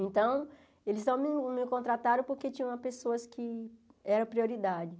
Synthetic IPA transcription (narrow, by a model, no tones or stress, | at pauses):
ẽnt̪ɐ̃w̃ | elɪznɐ̃w̃mɪmɪkõnt̪ɾat̪aɾɐ̃w̃poɾket͡ʃĩɲɐ̃ɐpesoɐskʰɪɛɾɐ̃pɾioɾid̪ad͡ʒɪ